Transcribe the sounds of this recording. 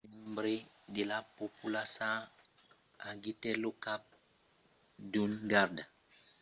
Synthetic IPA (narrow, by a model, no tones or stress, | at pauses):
imbɾidilapopulasã | aɡitɛlukap̚ | dunɡaɾda